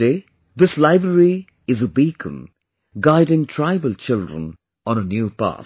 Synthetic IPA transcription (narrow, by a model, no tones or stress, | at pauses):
e | ðɪslaɪbɹəɾi | ɪzubikʰə̰̃m | ɡaɪdɪ̃ŋtʰɹ̥aɪbəlt͡ʃɪldɹə̰̃n | ɔ̃nənjuːpa̰t